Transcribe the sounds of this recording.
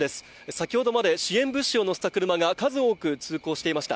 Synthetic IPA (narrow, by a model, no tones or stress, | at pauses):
d̪e̞sɨ̥ | sakʲiho̞d̪o̞mad̪e̞ɕiẽ̞mbɯ̟ɕːio̞no̞sɨ̥t̪akɯ̟ɾɯ̟maɡakazɨo̞ːkɯ̟t͡sɨːko̞ːɕi̥t̪e̞imaɕi̥t̪a̰